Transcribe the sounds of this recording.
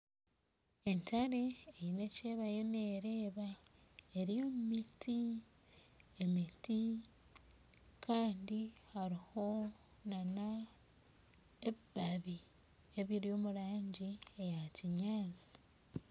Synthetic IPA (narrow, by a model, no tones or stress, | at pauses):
e̞ntaɾe̞ːjine̞ce̞ːβajo̞ne̞ːɾe̞ːβa | eɾijo̞ːmumitʰi | e̞miti | kʰaːndihaɾiho̞ | nana | ebaβi | e̞βiɾijo̞ːmuɾaːɲɟie̞jaciɲaːnt͡si̥